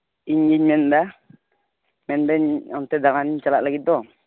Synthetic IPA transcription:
iɲɡiɲmɛnd̪a | mɛndɛɲamt̪ɛd̪aŋaniɲt͡ʃalaʔlaɡit̪̚d̪ɔ

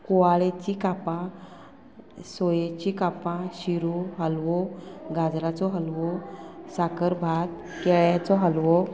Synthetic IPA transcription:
koʋaɭet͡ɕikapã | sɔjet͡ɕikapãɕiɾoɦəlʋɔɡad͡zɾat͡sɔɦəlʋɔsakəɾbʱat̪ | kɛɭjat͡sɔɦəlʋɔ

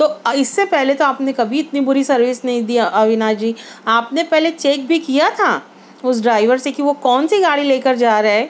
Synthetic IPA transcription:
t̪oːɪsːepɛɦlet̪oaːpnekɐbʱiɪt̪nibʊɾisɐɾʋɪsnɐɦĩd̪iaʔɐʋɪnaːd͡ʒiːaːpnepɛɦlet͡ʃeːk̚bʱikijat̪ʰaː | ʊs̬ɖɾaːɪʋəɾsekiʋokɔːnsiɡaːɽileːkəɾd͡ʒaːɾɐɦɛː

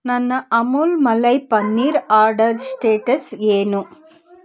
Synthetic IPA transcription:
nɐnːɐʔɐmulmɐlɐjpɐnːiːɾaːɾɖɐɾsʈeːʈɐseːnu

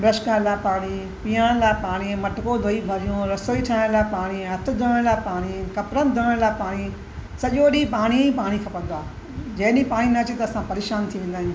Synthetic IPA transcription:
bɾɐʃkalaːpaːɽ̃i | piːaɽ̃laːɪpaːɽ̃imɐʈʊkod̪ʱoːibʱɐɾijõɾɐsoːiʈʰaːɽ̃laːpaːɽ̃iɦɐt̪ʰʊ̆d̪ʱəəɽ̃laːɪpaːɽ̃ikɐpɾənd̪ʱəəɽ̃laːpaːɽ̃i | sɐʄoːɗipaːɽ̃iĩpaːɽ̃ikʰɐpɐ̃nd̪oaː | d͡ʑɐ̃ɦnĩpaːɽ̃inɐt͡ɕet̪ɐːsãpɐɾeːʃaːnt̪ʰiʋẽːnd̪aːiñ

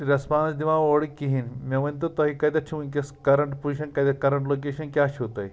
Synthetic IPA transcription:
ɾɐspãːnsd̪iʋãoɽikːiɦinmɐʋɐ̃nt̪ot̪ɐɦikɐd̪ɐʈʰiʋunk̬ʲeskɐɾɐɳʈpuiɕɐnkɐd̪ɐkɐɾɐɳʈlokeɕɐnkʲjaːɕot̪a̰j

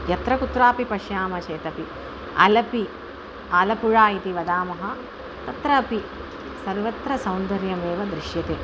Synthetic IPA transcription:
jɐt̪ɾɐkut̪ɾaːpipɐʃjaːmɐt͡ʃeːt̪ɐpi | ɐ̰lɐpi | ɐlɐpuɻaːit̪iʋɐd̪aːmɐɦɐ | t̪ɐt̪ɾɐːpi | sɐɾʋɐt̪ɾɐsɐwnd̪ɐɾjɐmeːʋɐd̪ɾiʃjɐt̪eː

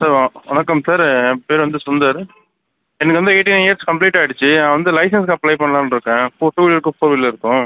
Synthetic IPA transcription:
sɐɾʋãːɔnɐkːɐmsaɾpeːɾʋɐnd̪ɯsʊnd̪ɐɾ | ɛnɐkːɯʋɐnd̪ɯeːʈːinjɐɾskɐmpliːʈːaːjɪɽɯt͡ʃːɯnãːʋɐnd̪ɯlɐɪsɐnskːɐplɐɪpɐɳːɐlãːnɪɾɯkːẽːfoːʈuːʋɪlɐɾɯkːʊ̃foːɾʋilɐɪɾɯkːʊ̃

